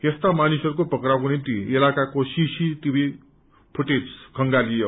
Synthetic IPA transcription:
est̪amanisʌɾukopʌkɾawkonimt̪iilakakosisit̪ibi | pʰuʈed͡zkʰʌŋɡalijo

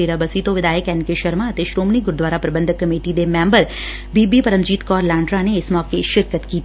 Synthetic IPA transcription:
eːɾabəsit̪õʋɪd̪aːjəkɛnkeʃɐɾmãət̪eʃɾoːmniɡʊɾd̪ʋaːɾapɾɐbə̃nd̪ʱəkːɐmeːʈid̪emɛ̃ːmbəɾ | biːbipɐɾə̃md͡ʒiːt̪kɔːɾlãːɳɖɾãneɪsmɔːkeʃɪɾkət̪kiːt̪

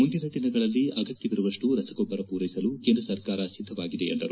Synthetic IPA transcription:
mund̪inɐd̪inɐɡɐɭɐlːiʔɐɡɐt̪jɐʋiɾuʋɐʂʈuɾɐsɐɡɔbːɐɾɐpuːɾɐjisɐlukeːnd̪ɾɐsɐɾkaːɾɐsid̪ʱːɐʋaːɡid̪e̞end̪ɐ̰ɾu

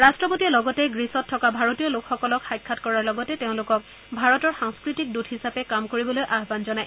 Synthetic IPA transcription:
ɹastɹɔpotiɔlɔɡɔtɛɡɹisɔtʰːɔkabʱaɹotijɔlokxɔkɔlɔkxajkʰːatkɔɹaɹlɔɡɔtɛteʊ̃lʊkɔk | bʱaɹɔtɔɹxaŋskɹitik̚dutɦhisapɛkamkoɹibɔlojʔaɦbanzɔnaj

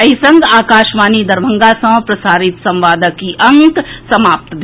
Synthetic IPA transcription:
ɐɦisɐ̃ŋɡaːkaːʃmaːnid̪ɐɾbʱə̃ŋɡasɐ̃mpɾɐsaːɾɪt̪sɐ̃mʋaːd̪əkːiʔɐŋksɐmaːp̚t̪d̪

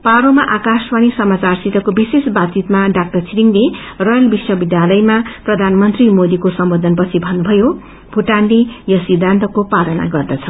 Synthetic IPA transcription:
paɾomaʔakaspanisʌmat͡sarsit̪ʌkobisesbat̪t͡sit̪maɖak̚ʈʌrt͡sʰiɾiŋle | rʌjʌlbiswʌbid̪jalʌjmaprʌd̪ʱanmʌnt̪rimod̪ikosʌmbod̪ʱʌnpʌt͡sʰibʱʌnːubʱʌjo | bʱuʈanlijʌsid̪ʱːant̪ʌkopalʌna̰ɡʌrd̪ʌt͡sʰʌ

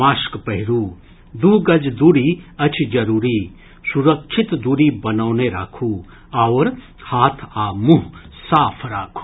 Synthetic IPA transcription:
aːʃkpɐɦɪɾuː | d̪uːɡɐd͡ʒd̪uːɾiɐt͡ʃʰd͡ʒɐɾuːɾiː | suɾɐkʃʰit̪d̪uːɾibɐnaːneɾa̰ːkʰuː | aʋɾ | haːt̪ʰaːmuɦ | saːpʰɾaːkʰu̥ː

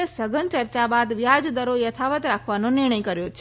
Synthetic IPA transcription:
sɐɡʱən̆t͡ɕɐɾt͡ɕabaːd̪ʋjaːd͡ʑd̪əɾojɐt̪ʰaʋət̪ɾaːkʰʋanõnɪɦɽ̃əikɐɾjot͡ɕʰ

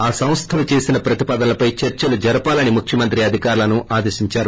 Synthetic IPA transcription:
aːsɐw̃st̪ʰɐlut͡ʃe̞ːsinɐpɾɐt̪ipaːd̪ɐnɐlɐpɐjt͡ʃɐɾt͡ʃɐlud͡ʒɐɾɐpaːlɐnimukʰjɐmɐnt̪ɾiɐd̪ʱikaːɾulɐnuʔaːd̪eːʃiɲt͡ʃaːɾu

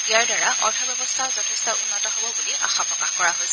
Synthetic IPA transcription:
iaɹdaɹaʔɔ̰ɹtʰɔbɛbɔstʰaʊzɔtʰɛstɔunːɔtɔɦobɔbuliʔa̰xapɹɔkaxkɔɹaɦojsɛ

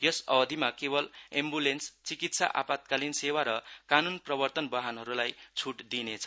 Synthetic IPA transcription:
jʌsʌbʌd̪ʱimakebʌlembulenst͡sikit̪sa̰ʔa̰pat̪̚kalinsewaɾʌkanunprʌbʌrt̪ʌnbʌɦanɦʌɾulajt͡sʰuʈd̪inet͡sʰʌ

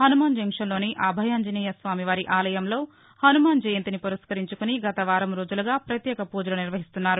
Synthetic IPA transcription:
hɐnumaːnd͡ʒɐŋkʂɐnlo̞ːniʔaːbʱɐjaːnd͡ʒɐniːjɐsʋaːmiʋaːɾiʔaːlɐjɐmlo̞ː | hɐnumaːnd͡ʒɐjɐnt̪inipuɾɐskɐɾiɲt͡ʃukuniɡɐt̪ɐʋaːɾɐmɾoːd͡ʒulɐɡaːpɾɐt̪jɛːkɐpuːd͡ʒɐlɐniɾʋɐɦist̪unːaːɾu

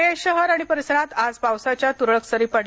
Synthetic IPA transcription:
eɕəɦəɾaɽ̃ipəɾisəɾat̪ad͡zpawsat͡ɕjat̪uɾɭəksəɾiːpəɽ

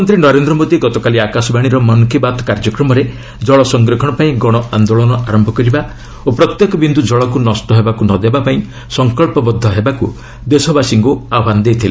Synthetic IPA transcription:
ɔnt̪ɾinɔɾend̪ɾɔmod̪iɡɔt̪ɔkaliakasɔbaɽ̃iɾɔmɔnkʰibat̪kaɾd͡ʒɔkɾɔmɔɾe | d͡ʒɔɭɔsɔŋɡɾɔkʰɔɽ̃ɔpaĩɡɔɽ̃ɔand̪oɭɔnɔaɾɔmbʱɔkɔɾiba | opɾɔt̪jekɔbind̪ud͡ʒɔɭɔkunɔsʈɔɦebakunɔd̪ebapaĩ | sɔŋkɔɭpɔbɔd̪ʱːɔɦebaku | d̪esɔbasiŋɡuaband̪ejt̪ʰile

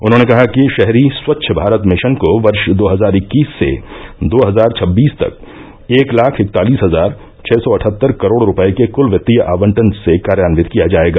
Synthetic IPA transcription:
ʊ̰nɦõːnekɐɦakiʃɛɦɾiswɐtːʃʰəbʱaːɾət̪mɪʃənkoʋɐɾʃd̪oːɦɐzaːɾɪkːiːsːḛd̪oːɦɐzaːɾt͡ʃʰɐbːiːst̪ɐ̰k̚ | eːklaːkʰɪk̚t̪aːliːsɦɐzaːɾ | t͡ʃʰɛːsɔɐʈʰət̪ːəɾkɐɾoːɽɾʊpəekekʊlʋjɐt̪ːijəʔa̰ːʋə̃ɳʈənsekaːɾjaːnʋɪt̪kijad͡ʒaːeːɡaː

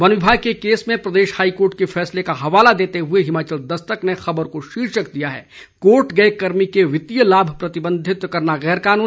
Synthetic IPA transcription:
ʋɐnʋɪbʱaːɡ̚kekeːsmẽpɾɐd̪eːʃhaːikoːɾʈkefʰɛːslekaɦɐʋaːlad̪eːt̪eɦʊeɦɪmaːt͡ʃəld̪ɐst̪əknexɐbəɾkoʃiːɾʃəkd̪ijaɦɛ̰ː | koːɾʈɡɐekɐɾmikeʋɪt̪ijəlaːbʱpɾɐt̪ɪbə̃nd̪ʱɪt̪kɐɾnaɣɛːɾkaːnuː

